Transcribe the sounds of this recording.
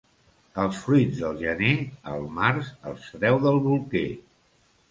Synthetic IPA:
əlˠsfɾuid͡zd̪əlˠʒəneə̰lˠmarzə̰lˠsɾɛwðəlˠβulˠke

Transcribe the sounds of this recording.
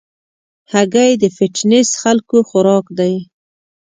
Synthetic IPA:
haɡajd̪əfɪʈnɪsxalkoxʊɾɑkd̪aj

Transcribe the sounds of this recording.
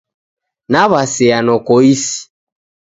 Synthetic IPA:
naβasɛanɔkɔisi̥

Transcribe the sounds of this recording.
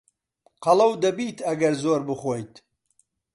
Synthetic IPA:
qɐlˠɐwd̪ɐbiːt̪ʰɐɡɐɾzoːɾbɨχoːjt̪

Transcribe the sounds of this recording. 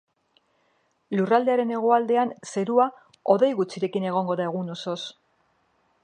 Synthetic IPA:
lurald̪e̞aɾe̞ne̞ɣ̞oald̪e̞anse̞ɾua | o̞ðe̞jɣut͡siɾe̞kine̞ɣ̞o̞ŋɡo̞ðae̞ɣ̞uno̞so̞s

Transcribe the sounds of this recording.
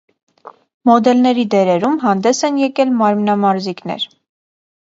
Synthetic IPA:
mɔd̪ɛlnɛɾid̪ɛɾɛɾumɦɑnd̪ɛsɛnjɛkɛlmɑɾmnɑmɑɾzikn̪ɛ̰ɾ

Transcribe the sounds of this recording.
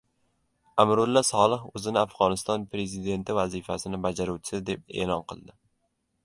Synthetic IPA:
amɾʊlˠːasɒlˠɪhɵzɪnɪafʁɒnɪst̪ɒnpɾe̞zid̪e̞nt̪ʰɪvazifasɪnɪbad͡ʒaɾuwt͡ʃʰɪ̥sɪd̪e̞p̚ḛːlˠɒnqʰɨlˠd̪ɪ

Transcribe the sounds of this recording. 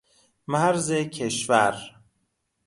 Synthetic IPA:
mæɾzecʰe̞ʃvæɾ

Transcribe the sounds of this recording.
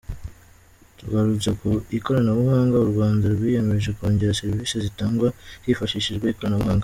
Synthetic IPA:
tuɡaɾut͡sakuiko̞ɾanaβuhaːŋɡauɾɡwaːndaɾɡwiːje̞me̞ʒekoːɲɟe̞ɾase̞ɾviːsezitaːŋɡwahifaʃiʃiʒɡwaiko̞ɾanaβuhaːŋɡa

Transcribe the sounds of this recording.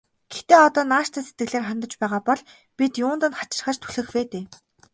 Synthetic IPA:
ɡ̥et̪eːɔt̪ɔːnaːʃt̪ʰæːse̥t̪̚ɡɘ̆ɮeːrχant̪ə̆t͡ɕpæːʁaːpɔɮ | pʲit̪jʊːnt̪ə̆nχat͡ɕɪ̆rχə̆t͡ɕt̪ʰu̥ɮɘ̆xweːt̪eː

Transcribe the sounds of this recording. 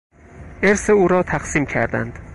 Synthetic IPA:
eɾseuːɾɒːt̪ʰæqsiːmcʰæ̰ɾd̪æ̰nd̪̥

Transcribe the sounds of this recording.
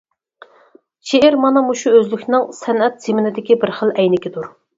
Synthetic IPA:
ʃeɪɾmɑnɑmuʃuøzlykʲʰnɪŋsɛnɛt̪̚z̥ɪmɪnɪd̪ɪkʲibɪɾχəlˠɛjnɪkʲɪd̪uɾ

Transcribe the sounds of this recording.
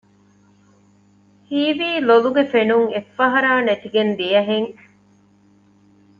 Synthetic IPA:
hiːʋiːloluɡefenuŋefːɐɦɐɾaːnɐʈ̪iɡend̪ijɐɦeŋ

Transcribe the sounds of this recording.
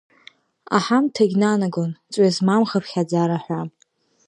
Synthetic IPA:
a̰ħamtʰaɡʲnanaɡont͡sʷʼɥazmamχəpʰχʲad͡zaɾaħʷa

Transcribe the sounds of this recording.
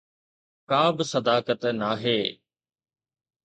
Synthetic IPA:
kaːbɪsɐd̪aːkət̪naːɦeː

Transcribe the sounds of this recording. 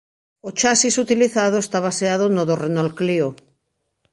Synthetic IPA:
ot͡ʃasisut̪iliθaðoest̪aβaseaðonoðorenolklio

